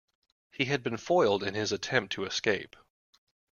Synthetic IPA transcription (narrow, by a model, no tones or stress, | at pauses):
hiɨd̚bɨ̃nfɔɪlˠdɨ̃nɪzɨtʰɛ̃mp̚tʰɨɨskeɪp